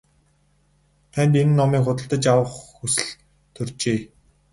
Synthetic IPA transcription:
t̪ʰænʲt̪enɘ̆nːɔmiːŋχʊt̪ə̆ɬt̪ə̆t͡ɕawə̆χxusɘ̆ɮ | t̪ʰɵrt͡ɕeː

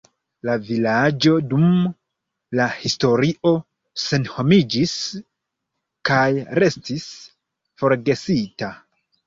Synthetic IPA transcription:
lavilad͡ʒo̞dum | lahisto̞ɾiʔo̞ | se̞nho̞mid͡ʒis | kajɾe̞stis | fo̞ɾɡe̞sita

